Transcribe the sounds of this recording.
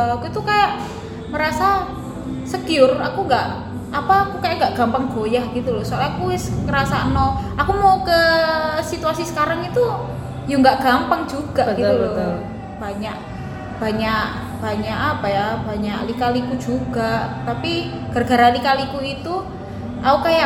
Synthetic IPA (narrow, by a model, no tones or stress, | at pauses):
akuit̪ukajaʔ | məɾasa | səkiʊra̰kuŋɡaʔ | apakukajaʔŋɡaʔɡ̥ampaŋɡ̥ojahɡ̥it̪ulɔsoalakuɪskəɾasanɔʔakumaukəsit̪uasisə̥kaɾaŋit̪u | juŋɡaʔɡ̥ampaŋd͡ʒuɡ̥aʔɡit̪u | b̥aɲaʔ | b̥aɲaʔ | b̥aɲaʔapajab̥aɲaʔlikalikud͡ʒuɡ̥aʔt̪api | ɡ̥ərɡ̥a̤ɾalikalikuit̪u | aukaja